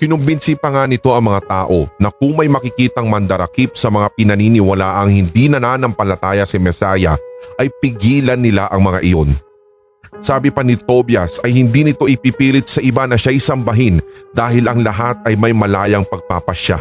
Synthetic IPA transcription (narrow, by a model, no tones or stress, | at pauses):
kɪnʊmbɪnsipɐŋanɪt̪o̞ʔɐŋmɐŋat̪aːʔo̞nɐk̚ʊŋmɐjmɐkɪkiːt̪ɐŋmɐnd̪ɐɾɐkip̚sɐmɐŋapɪnɐniːnɪwɐlaʔɐŋhɪnd̪inɐnaːnɐmpɐlɐt̪aːjɐsɛmɛsaːjɐʔɐjpɪɡiːlɐnːɪlaʔɐŋmɐŋa̰ʔɪjo̞n | saːbɪpɐnɪt̪o̞bjɐsɐjhɪnd̪inɪt̪o̞ʔɪpiːpiːlɪt̪̚sɐʔɪbanɐʃajsɐmbɐɦɪnd̪aːhɪlɐŋlɐɦat̪̚ɐjmɐjmɐlaːjɐŋpɐɡ̚paːpɐʃa̰